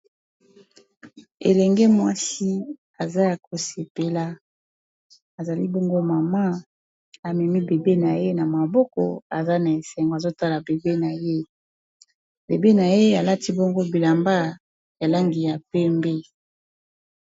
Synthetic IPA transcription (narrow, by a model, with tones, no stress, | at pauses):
ḛ˨lɛ˨ŋɡɛ˦mwa˦si˦ | a˨za˦ja˨ko˨se˨pe˨la˦ | a˨za˨li˦bɔ˦ŋɡo˦ma˨ma˦ | a˨mɛ˨mi˦be˨be˦na˨je˦na˨ma˨bɔ˦kɔ̰˨a˨za˦na˨e˨sɛ˨ŋɡo˨a˨zo˦ta˦la˨be˨be˦na˨je˦ | be˨be˦na˨je˦a˨la˦ti˦bɔ˦ŋɡo˦bi˨la˨mba˦ | ja˨la˦ŋɡi˨ja˨pɛ˦mbɛ˦